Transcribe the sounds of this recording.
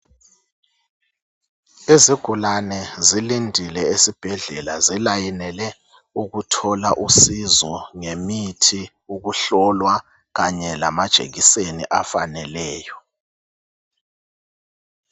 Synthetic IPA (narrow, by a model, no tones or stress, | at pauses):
eziɡ̥ʱulanɛzilindʱilɛesib̥ʱɛɮɛlazilajinɛlɛ | uɣutʰɔlaʔusizɔŋemitʰi | uɣuɬɔlwa | ɣaɲɛlamad̥ʒ̥ʱḛɣisenḭʔafanɛlɛːjɔ